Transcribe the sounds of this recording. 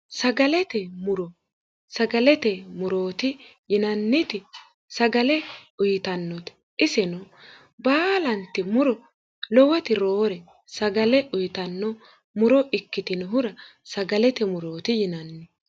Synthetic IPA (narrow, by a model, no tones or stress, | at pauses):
sɐɡɐlɛt̪ɛmʊɾɔ | sɐɡɐlɛt̪ɛmʊɾo̞ːt̪ɪjɪnɐnːɪt̪ɪ | sɐɡɐlɛʊjt̪ɐnːɔt̪ | ʔɪsɛnɔ | baːlɐnt̪ːɪmʊɾɔ | lɔwɐt̪ɪɾoːɾɛ | sɐɡɐlɛʔʊjt̪ɐnːɔ | mʊɾɔʔɪkːɪt̪ɪnʊɦʊɾɐ | sɐɡɐlɛt̪ɛmʊɾo̞ːt̪ɪjɪnɐnːɪ